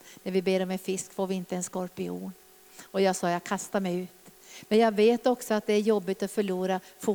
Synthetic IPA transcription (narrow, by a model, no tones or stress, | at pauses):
næɾvɪbeːɾɔmɛnfɪskfoːɾvɪɪnt̪əɛnskɔɾpɪṵːn | ɔjɑːɡsɑːjɑːɡkʰast̪aɾmɛjʉ̟ːt̪ | mɛnjɑːɡveːt̪ɔksɔat̪̚d̪ɛæɾjɔbːɪt̪ɔfœɭuːɾafu